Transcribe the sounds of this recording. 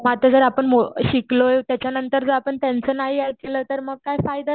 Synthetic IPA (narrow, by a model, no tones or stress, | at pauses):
mat̪əd͡zəɾapəɳmoɕiklojt̪jat͡ɕjanənt̪əɾd͡zəɾapəɳt̪jant͡səːnaɦijak̪ʰelət̪əɾməɡ̚kajfajd̪a